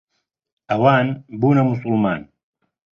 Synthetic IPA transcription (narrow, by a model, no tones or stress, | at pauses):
ɐwaːnbuːnɐmus̬ulmaːn